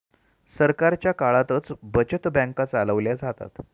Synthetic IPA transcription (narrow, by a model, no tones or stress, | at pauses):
səɾkaɾt͡ɕjakaɭat̪ət͡sbət͡ɕət̪bãŋkat͡saləʋljad͡zʱat̪a̰t̪